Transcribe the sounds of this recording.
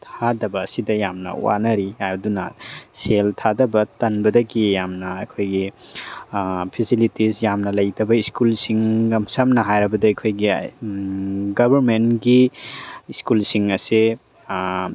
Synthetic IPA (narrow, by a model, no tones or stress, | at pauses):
tʰadɐbɐːsidɐjamnɐ̰wa̰nɐɾihajdunɐseltʰadɐbɐtɐnbɐdɐɡijamnɐɐjkʰojɡi | pʰisilitisjamnɐlɐjtɐbɐiskulsiŋɡɐmsɐmnɐɦajɾɐbɐdɐɐjkʰojɡi | ɡɐbʱɐɾmenɡi | iskulsiŋɐse